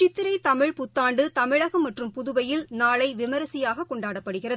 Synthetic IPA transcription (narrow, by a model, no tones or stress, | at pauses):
t͡ʃɪt̪ːɪɾɐɪt̪ɐmɪɻpʊt̪ːaːɳɖɯt̪ɐmɪɻɐɣɐmːɐʈrɯmpʊðʊʋɐjɪlnaːɭɐɪʋɪmɐɾɐsɪjaːɣɐkːɔɳɖaːɽɐpːɐɽɯɣɪrɐð